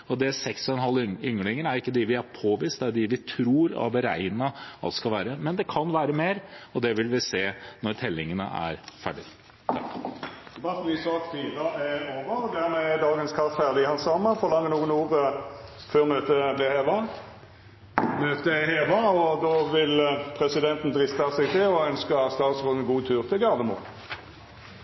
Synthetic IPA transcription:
ɔd̪ɛsɛksɔɛnɦɑlːʏŋəɭɪŋənæɾɪkːəd̪ɪʋɪæɾpʰoːʋɪːst̪̚d̪ɛæɖ̪ɪʋɪt̪ʰɾuːɾ̰ʋəɾæ̰ɪnəɑ̰t̪skɑlʋæːɾəmɛnd̪ɛkʰɑnʋæːɾəmeːɾɔd̪ɛʋɪlʋɪseːnɔɾt̪ʰɛlːɪŋənə̰ʔæ̰ɾfæɖɪ | t̪ʰɑk̪ɛbɑfɔʋɪsɑːk̪fyːʁɑɛoːʋəʁɔd̪æʁmɛɛd̪ɑːɡənskʰɑffæʁd̪ɪɪhɑnsɑməfɔʁlɑŋːənuːənuːʁə | føːʁmøːt̪əblɛheːʋɑ | møːt̪əheːʋɑɔd̪ɔːʋɪlpʰʁɛsɪd̪ɛnt̪n̩d̪ʁɪst̪ɑsɛɡt̪ʰɪɔœnskəst̪ɑːt̪sʁoːd̪ənɡuːt̪ʰʉːʁt̪ʰɪlɡɑʁd̪əmṵː

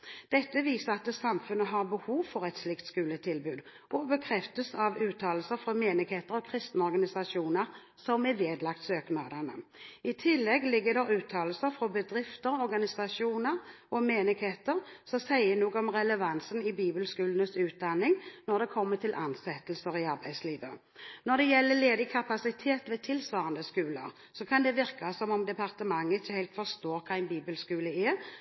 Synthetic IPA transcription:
d̪̥ɛt̪ːəʋiːsəʁɑt̪əsɑmfʉnːəɦɑʁbəhuːʋfɔʁɛt̪slɪkt̪skʉːlət̪ʰɪlbʉːd̪ | ʔɔbəkʰɾɛft̪əsɑʋʉːt̪ʰɑːlsəfʁɔmeːnɪɡheːt̪əʁɔkʰʁɪst̪nəɔʁɡɑnɪsɑʂuːnəʁ | sɔmɛʋeːd̪lɑk̚t̪søːknɑːd̪ənəɪt̪ʰɪlːɛɡlɪɡːəd̪ɛʁʉːt̪ʰɑːlsəɾfʁɔbəd̪ʁɪft̪əʁɔɾɡɑnɪsɑʂuːnəʁʔɔmeːnɪɡheːt̪əɾsɔsæɪənuːɡɔmʁɛləʋɑnsənɪbiːbəlskʉːlənəsʉːt̪̚d̪ɑnːɪŋnɔʁd̪ɛkʰɔmːət̪ʰɪlʔɑ̰nsɛt̪əlsəɾɪɑɾbæɪsliːʋə̰ | nɔd̪ɛjɛlːəleːd̪ɪkʰɑpɑsɪt̪ʰeːt̪ʋɛt̪ʰɪlsʋɑːʁɑnd̪əskʉːlə̰ɾ | sɔkʰɑnd̪ɛʋɪɾkasɔmɔmd̪ɛpɑʁt̪əmɑŋːəɪçəhæɪlt̪fɔʁst̪oːɾkʰɑːæɪnbiːbəlskʉːləɛ

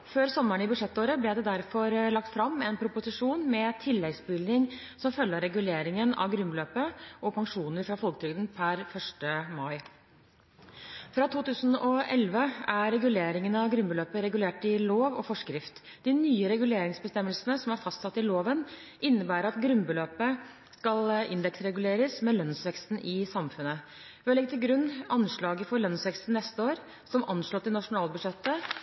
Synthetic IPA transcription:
føːɾsɔmːəɳɪbʉʂɛt̪ːoːɾəblɛd̪ɛd̪æɾfɔɾlɑk̚t̪fɾɑmːɛnpʰɾʊpʊsɪʂuːnmɛt̪ʰɪlːɛɡsbʏld̪ɪŋsɔmfœlːəɾɛɡʉleːɾɪŋənɑ̰ʋɡɾʉmbløːpəɔpʰɑŋʂuːnəɾfɾɑfɔlk̚t̪ʰɾʏɡd̪ənpʰæɾfœʂʈəmɑɪ | fɾɑt̪ʰuːt̪ʉːsənɔɛ̰lʋəæɾɾɛɡʉleːɾɪŋənəɑʋɡɾʉmbəløːpəɾɛɡʉleːʈɪloːʋɔ̰fɔʂkɾɪft̪ | d̪̥ɪnyːəɾɛɡʉleːɾɪŋsbəst̪ɛmːəlsənəsɔmæɾfɑst̪sɑt̪ːɪloːʋənʔɪnːəbæːɾəɾɑt̪ɡɾʉnbəløːpə | skɑlɪ̰nd̪ɛksɾɛɡʉleːɾəsmɛlœnsʋɛkst̪n̩ʔɪsɑmfʉnə | ʋɛɔlɛɡt̪ʰɪlɡɾʉnːɑnʂɭɑːɡəfɔɾlœnsʋɛkst̪n̩ːɛst̪əoːɾ | sɔmʔɑnʂɭɔt̪ːɪnɑʂʊnɑːlbʉdʂɛt̪ːə

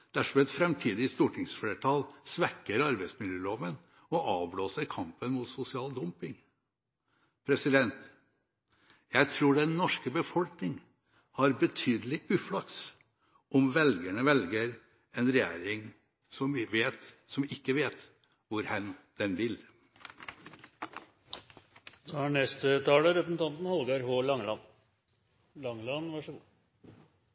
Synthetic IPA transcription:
d̪̥æʂɔmɛt̪fɾɛmt̪ʰiːd̪ɪst̪uːʈʰɪŋsfleːʈʰɑːlsʋɛkːəɾɑɾbæɪsmɪljøːloːʋən | ɔʔɑːʋbloːsəɾkʰɑmpənmʊt̪sʊsɪɑːld̪ʊmpɪŋ | pʰɾɛsɪd̪ɛnt̪ | jæɪt̪ʰɾuːɖɛnːɔʂkəbəfɔlknɪŋ | hɑɾbət̪ʰyːd̪əlɪʔʉːflɑk̚t̪s | ʔɔmʋɛlɡəɳəʋɛlɡəɾ | ɛnɾɛjḛːɾɪŋ | sɔmɪʋeːt̪sɔmɪkːəʋeːt̪ | ʋʊɾhɛnd̪̥ɛnʋɪl | d̪hæɳɛst̪ət̪ʰɑːləɾɛpɾəsn̩t̪ɑnt̪n̩hɑlɡɑɾɦoːlɑŋlɑn | lɑŋlɑnʋɑʂə

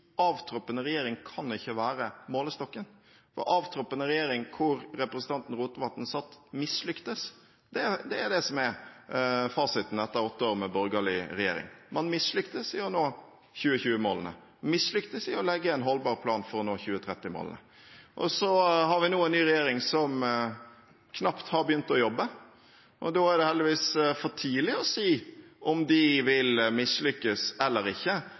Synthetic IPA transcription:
ɑːʋt̪ʰɾɔpːənəɾɛjeːɾɪŋkʰɑnɪçːəʋæːɾəmoːləst̪ɔkːən | fɔ̰ɾɑːʋt̪ʰɾɔpːənəɾɛjeːɾɪŋkʰʊɾɾɛpɾəsən̩ʰɑnt̪n̩ɾuːt̪əʋɑt̪ːn̩sɑt̪ːmɪslʏkt̪əs | d̪̥ɛd̪ɛːɾd̪ɛsɔmɛɾ | fɑːsɪt̪n̩ɛt̪ːəɑɔt̪ːəoːɾmɛbɔɾɡɑlɪɾɛjḛːɾɪ̰ŋmɑnmɪsːlʏkt̪əsɪʊnoː | çʉːəçʉːəmoːlənə̰ | mɪsɭʏkt̪əsɪɔlɛɡːəɛɪnɦɔlbɑːɾpʰlɑːnfɔɾɔnoːçʉːət̪ʰɾɛt̪ːɪmo̰ːl̰nə̰ | ʔɔ̰sɔhɑɾʋɪnuːɛnnyːɾɛjeːɾɪŋsɔm | kʰnɑpt̪hɑɾbəjʏnt̪ɔjɔbːə | ʔɔ̰d̪oːæɾɖ̪ɛhɛld̪ɪʋiːsfɔʈʰiːlɪɔsiːʔɔmd̪ɪʋɪlmɪslʏkːəsɛlːəɾɪçːə

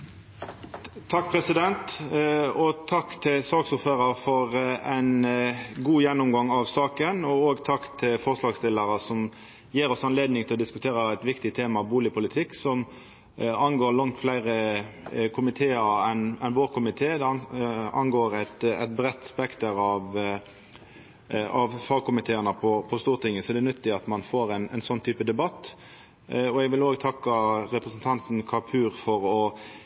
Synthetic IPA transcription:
t̪ʰɑk̚ːpʰɾɛsɪd̪ɛnt̪ | ɔt̪ʰɑkːt̪ʰɪlsɑːɡsʊɾføːɾəɾfɔɾæɪnɡuːjɛnːʊmɡɑŋɑʋsɑːkənɔoːɡt̪ʰɑkːt̪ʰɪlfɔʁslɑːɡst̪ɪləɾəsɔm | jiːɾɔsɑnleːd̪nɪŋt̪ʰɪlɔd̪ɪskʉt̪ʰeːɾəæɪt̪ʋɪkt̪ɪt̪ʰeːmɑbuːlɪpʰʊlɪt̪ʰɪkːsɔm | ɑnɡoːlɑŋt̪flæɪɾə | kʰʊmɪt̪ʰeːəɾɛnɛnʋoːʁkʰʊmɪt̪ʰeːd̪ɛɑ̰nɡoːɾæt̪ɛ̰t̪̚bɾɛt̪ːspɛkt̪əɾɑʋ | ɑʋfɑɡkʊmɪt̪ʰeːənəpʰɔpʰɔst̪uːʁt̪ɪŋːəsɔɛd̪ɛnʏt̪ːɪɑt̪mɑnfoːɾæɪnɛ̰nsɔnːt̪ʰyːpəd̪ɛbɑt̪ː | ɔɛɡʋɪloːɡt̪ʰɑkːɑɾɛpɾəsn̩t̪ʰɑnt̪n̩kʰɑpʰʉːɾfɔɾɔ

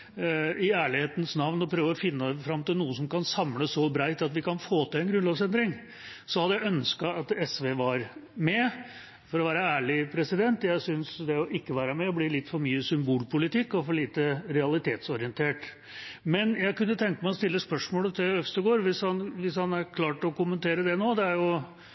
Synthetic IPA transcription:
ɪæːɭɪheːt̪ənəsnɑʋnɔpʰɾøːʋəɾɔfɪnːəfɾɑmːt̪ɪlnuːəsɔmkɑnsɑmləsɔbɾæɪt̪ɑt̪ʋɪkɑnfoːt̪ʰɪɛnɡɾʉnlɑːʋsɛnd̪ɾɪŋ | sɔhɑd̪ːəjæɪœnskɑɑt̪ɛsʋeːʋɑɾmɛ | fɔɾɔʋæːɾəæːɭɪpʰɾɛsɪd̪ɛnt̪jæɪsʏnsd̪ɛɔʔɪkːəʋæːɾəmɛɔbliːlɪt̪ːfɔɾmyːəsʏmbuːlpʰʊlɪt̪ɪkːɔfɔɭiːt̪əɾɛɑlɪt̪ʰeːt̪sɔɾɪənt̪ʰeːʈ | mɛnjæɪkʉnːət̪ʰɛŋkəmæɪɔst̪ɪlːəspœʂmoːlət̪ʰɪœst̪əɡoːɾʋɪshɑnʋɪshɑnæɾkʰlɑːʈɔkʊmənt̪ʰeːɾəd̪ɛnoːd̪ɛæɾjʊ

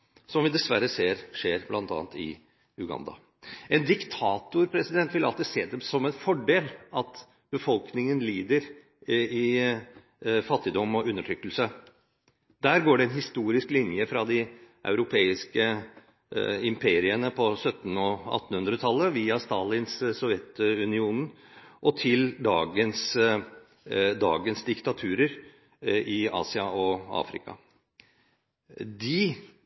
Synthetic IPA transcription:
sɔmʋɪd̪ɛsʋæɾːəseːɾʂeːɾblɑ̰nt̪ɑ̰ːnt̪ɪ̰ | ʉɡɑ̰nd̪ɑ̰ | ɛnd̪ɪkt̪ʰɑːt̪ʊɾpʰɾɛsɪd̪ɛnt̪ʋɪlɑ̰lt̪ɪseːd̪ɛmsɔmɛnfɔɖeːlɑt̪ | b̥əfɔlknɪŋənliːd̪əɾ | ɪ | fɑt̪ːɪd̪ɔmːɔʔʉnːəʈʰɾʏkːəlsə | d̪æːɾɡoːɖɛɛnɦɪst̪uːɾɪsklɪnjəfɾɑd̪ɪʔɑ̰ʉɾʊpʰeːɪskə | ɪmpʰeːɾɪənəpʰɔsœt̪ːn̩ɔɑ̰t̪ːn̩hʉnd̪ɾət̪ʰɑlːəʋiːɑst̪ɑːlɪnssɔʋjɛt̪ʉnɪuːn | ʔɔt̪ʰɪld̪ɑːɡəns | d̪ɑ̰ːɡənsd̪ɪkt̪ɑt̪ʰʉːɾəɾ | ɪɑ̰ːsɪɑɔɑ̰ːfɾɪ̰kɑ̰ | d̪ɪ

